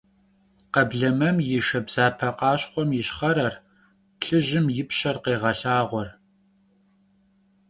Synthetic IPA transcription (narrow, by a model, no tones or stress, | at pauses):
qɐbɮɐmɐmjɪʃɐbz̥aːpʰɐqɑːɕχʷɔmjɪɕχɐɾɐr | ɬɨʑɪmjɪpɕɐrqeːʁɐɬaːʁʷɔr